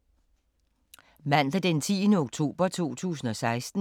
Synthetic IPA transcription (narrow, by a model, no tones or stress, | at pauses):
mæn̰ləd̥ent͡sʰiːnəoɡ̥̚t͡sʰo̝̰ːb̥ɐt͡sʰo̝̰ːt͡sʰṵːs̬n̩ɒ̽sɑ̈ɪsd̥n̩